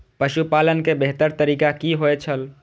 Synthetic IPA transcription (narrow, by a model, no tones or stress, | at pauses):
pəʃupalənkebeɦt̪əɾt̪əɾiːkakiɦoet͡ʃʰəl